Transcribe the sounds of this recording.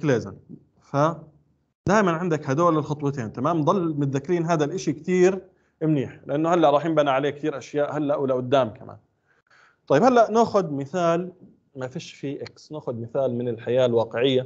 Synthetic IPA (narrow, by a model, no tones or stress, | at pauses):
kleːza̰n | fa | d̪aːjmanʕɪnd̪akhad̪oːlɪlxɑt̪ˤwɑt̪eːnt̪amaːmd̪ˤɑlːmʊt̪ðakːɾiːnɦaːd̪alʔɪʃikt̪iːɾ | mniːħlɪʔanːʊhalːaʔɾˤɑːħjɪmbanaʕaleːk̚t̪iːɾʔaʃjaːʔhalːaʔwɪlːaʔʊd̪ːaːmkamʔa̰ːn | t̪ˤɑjːɪbhalːaʔnaːxʊd̪mɪθaːl | mafiːʃfiʔɪksnaːxʊd̪mɪθaːlmɪnɪlħajaːlwɑːqɪʕɪjːa